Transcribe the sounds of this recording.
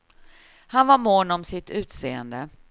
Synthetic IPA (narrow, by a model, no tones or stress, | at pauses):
hanvaɾmonɔmsɪt̪ʉ̟ːt̪seːənd̪ə